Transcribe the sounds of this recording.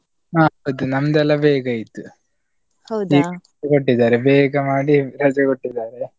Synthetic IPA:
aːɦɐwd̪unɐmd̪ɛlːɐbɛːɡɐjit̪u | hɐwd̪iːɡɐd͡ʒɐkoʈːid̪ːaːɾebɛːɡɐmaːɽiɾɐd͡ʒɐkoʈːid̪ːaːɾe

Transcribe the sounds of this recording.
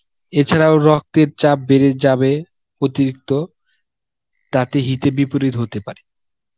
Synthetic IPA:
et͡ɕʰaɾaoɾɔk̚t̪eɾt͡ɕap̚beɾed͡ʑabe | ot̪iɾik̚t̪o | t̪at̪eɦit̪ebipoɾit̪ɦot̪epaɾe

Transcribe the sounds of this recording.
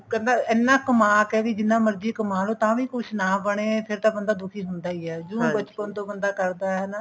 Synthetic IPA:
kɛ̃nd̪aːɛːnːãːkəmaːkɛːʋiːd͡ʒɪnːãːməɾd͡ʒ̪iːkəmaːloːt̪ãːʋĩːkʊʃʰnaːbəɽ̃eːpʰɪɾt̪ãːbənd̪aːd̪ʊkʰiːɦʊnd̪aːiːɛːd͡ʒõːbət͡ʃpənt̪õːbənd̪aːkəɾd̪aːɦɛːnː

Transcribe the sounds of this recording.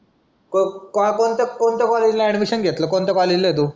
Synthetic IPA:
kokɔkont̪ekont̪akɔled͡ʑlaɛɽmiɕənɡʱet̪ləkont̪ekɔlid͡ʑləet̪̬uː

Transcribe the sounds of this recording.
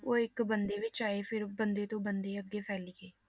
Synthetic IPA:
oːɪkbənd̪eːʋɪt͡ʃaːeːpʰɪɾbənd̪eːt̪õːbənd̪eːəɡːeːpʰɛːliːɡeː

